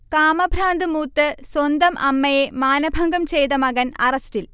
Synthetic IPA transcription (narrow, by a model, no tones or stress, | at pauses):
kaːmɐbʱɾaːnd̪ɨmuːt̪ːɨswɐnd̪ɐmʔɐmːɐjemaːnɐbʱɐŋɡɐmt͡ɕejt̪ɐmɐɣɐnɐrɐstil